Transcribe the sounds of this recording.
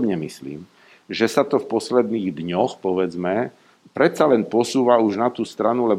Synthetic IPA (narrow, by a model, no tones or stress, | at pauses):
bɲɛmislḭːm | ʒɛsat̪ɔfpɔslɛd̪niːɣd̪ɲɔxpɔʋɛd͡zmɛ | pɾɛt̪t͡salɛnpɔsuːʋauʒnat̪uːst̪ɾanulɛb